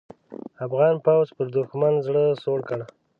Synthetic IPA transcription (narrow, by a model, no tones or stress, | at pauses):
afɣɑnpawzpəɾd̪ʊxmanzɽəsoɽkəɽa